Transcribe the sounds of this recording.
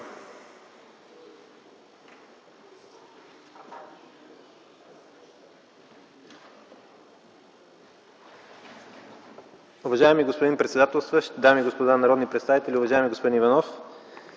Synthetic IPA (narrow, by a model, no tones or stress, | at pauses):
ʊvɐʒaɛmiɡospod̪inpɾɛt̪sɛd̪at̪ɛlˠst̪vəʃt̪d̪amiɡospod̪anɐɾɔd̪nipɾɛt̪st̪avit̪ɛlʲiʊvɐʒajɛmiɡospod̪inivɐnɔf